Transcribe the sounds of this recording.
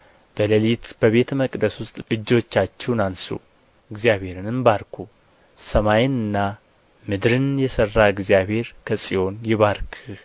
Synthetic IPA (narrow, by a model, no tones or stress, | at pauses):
b̥ələlit̪b̥əβe̞t̪məkʼd̪əswʊst̪ʼɨd͡ʒːo̞t͡ʃːat͡ʃːɛwnansṵ | ɨɡzijaβhe̞ɾɨnɨmbaɾkʰu | səmajɪnɨnːa | mɨd̪ɾɨnjɛsərːaɨɡzijaβhe̞ɾkʰəsʼijo̞njɪβaɾkʰɨ